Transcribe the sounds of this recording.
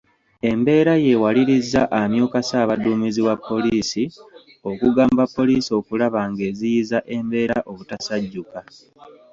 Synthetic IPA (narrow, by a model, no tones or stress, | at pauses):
e̞mbe̞ːɾaje̞waliɾizːaʔamjoːkasaːβaduːmiziwapːo̞liːsi | o̞kuɡaːmbapːo̞liːsio̞kulaβaŋɡe̞ːzijizaʔe̞mbe̞ːɾaʔo̞βutasaɟːuka